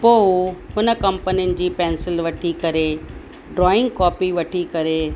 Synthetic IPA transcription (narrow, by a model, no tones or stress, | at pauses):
poːɦʊnə̆kɐ̃mpəniʊnɪ̆d͡ʑiːpɛ̃ːnsɪlʋɐʈʰikɐɾe | ɖɾɔːɪ̃ŋɡ̚kɔːpiʋɐʈʰikɐɾe